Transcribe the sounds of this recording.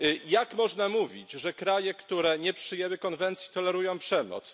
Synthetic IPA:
jakmɔʐnamuvʲḭt͡ɕʐɛkɾajɛkt̪uɾɛɲɛpʂɘjɛwɘkɔnvɛnt̪sʲjit̪ɔlɛɾujɔ̃w̃pʂɛmɔ̰t̪s

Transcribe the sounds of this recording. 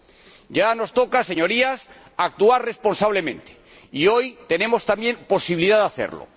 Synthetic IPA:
ɟ͡ʝano̞st̪o̞kase̞ɲo̞ɾias | ak̚t̪uaɾre̞spo̞nsaβ̞le̞mẽ̞̰nt̪e̥ | io̞jt̪e̞ne̞mo̞st̪amje̞mpo̞siβiliðaðaθḛɾlo̰

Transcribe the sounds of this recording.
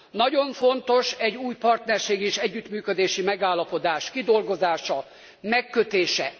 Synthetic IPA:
nɒɟo̞ɱfo̞nt̪o̞ʃɛɟːuːjpɒrt̪nɛrʃeːɡeːʃɛɟːyt̪myːkød̪eːʃimɛɡaːlːɒpo̞d̪aːʃkid̪o̞lɡo̞zaːʃɒ | mɛkːøt̪eːʃɛ

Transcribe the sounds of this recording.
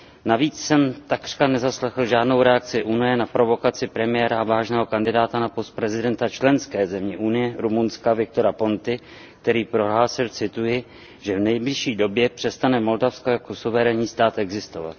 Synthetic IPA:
naviːt͡ssɛmt̪akr̥kanɛzaslɛxl̩ʒaːdno̞wɾɛak̚t͡sɪʔunɪjɛnapɾo̞vo̞kat͡sɪpɾɛmɪjɛːɾavaːʒnɛːɦo̞kandɪdaːt̪anapo̞st̪̚pɾɛzɪdɛnt̪at͡ʃlɛnskɛːzɛmɲɛʔunɪjɛɾumunskavɪk̚t̪o̞ɾapo̞nt̪ɪ | k̚t̪ɛɾiːpɾo̞ɦlaːsɪlt͡sɪt̪ujɪ | ʒ̥ɛvnɛjblɪʃiːdo̞bjɛpr̥ɛst̪anɛmo̞ldafskojakosuvɛɾɛɲiːst̪aːt̪ʔɛɡzɪst̪o̞va̰t̪

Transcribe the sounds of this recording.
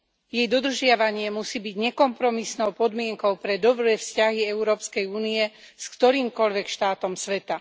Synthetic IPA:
jɛjd̪ɔd̪r̩ʒɪaʋaɲɪɛmusiːbiɟɲɛkɔmpɾɔmisnɔʊpɔd̪mɪɛŋkɔʊpɾɛd̪ɔbɾɛːfscaɦiɛʊɾɔːpskɛjuːniɛ | skt̪ɔɾiːmkɔʎʋɛkʃt̪aːt̪ɔmsʋɛt̪a

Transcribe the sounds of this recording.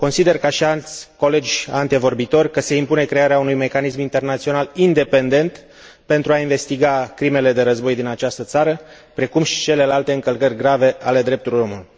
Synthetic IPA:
ko̞nsid̪e̞rkaʃialt̪sʲko̞le̞d͡ʒʲant̪ivo̞rbit̪o̞rʲkəse̞impune̞kɾe̞aɾeaunujme̞kanismint̪e̞rnat̪sio̞nalind̪e̞pe̞nd̪e̞nt̪ | pe̞nt̪ɾuainve̞st̪iɡakɾime̞le̞d̪e̞ɾəzbo̞jd̪inat͡ʃast̪ət̪saɾə | pɾe̞kumʃi̥t͡ʃe̞le̞lalt̪e̞ɨŋkəlkərʲɡɾave̞ale̞d̪ɾe̞p̚t̪ulojo̞muluj

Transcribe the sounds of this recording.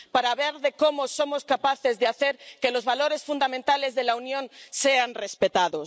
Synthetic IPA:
paɾaβeɾðeko̞moso̞mo̞skapaθezðeaθeɾke̞lo̞zβalo̞ɾe̞sfund̪amẽnt̪ale̞zðe̞launjõ̞nseanre̞spet̪aðos

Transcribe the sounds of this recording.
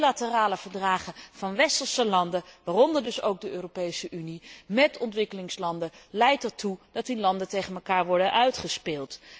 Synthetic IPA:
latəraːləv̥əɹdraːχəvɑnʋɛstəlˠsəlɑndəʋaːrɔndəɹdɵsowk̚dəʔøːropejsəʔynimɛtɔntʋɪkəlɪŋslɑndəlɛjtɛɹtud̥ɑtinlɑndətejχənmɛlˠkaːɹʋɔɹdənʔœɥtχəspɪːlˠt

